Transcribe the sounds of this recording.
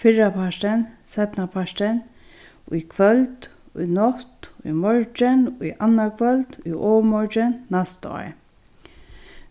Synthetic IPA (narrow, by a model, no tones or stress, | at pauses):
fɪɹapʰaʂʈ̪ɪnsɛt̪napʰaʂʈ̪ɪn | ṵjkʰʋœlt̪ | ṵjnɔht̪ṵjmɔɹt͡ʃɪniʔanːakʰvœlt̪ṵjʔɔːmɔɹt͡ʃɪnːast̪ɔ̰ː